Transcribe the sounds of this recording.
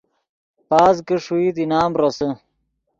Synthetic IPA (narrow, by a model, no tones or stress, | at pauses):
paːzkəʂuit̪inaːmɾosə